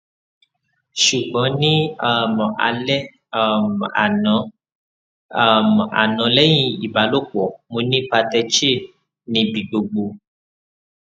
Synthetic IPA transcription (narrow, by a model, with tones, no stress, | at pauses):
ʃu˨ɡ͡bɔ̃˨˦nĩ˦a˦˨m˨a̰˧lɛ˦˨ | m̃˨˦˨ | m˨a̰˨nɔ̃˨˦lɛ˦j̃ĩ˧i˨ba˨˦lo˦˨k͡pɔ˨mo˧nĩ˦k͡pa˧tɛ˧t͡ʃe˦˨ | nĩ˧bĩ˨ɡ͡bo˧ɡ͡bo˧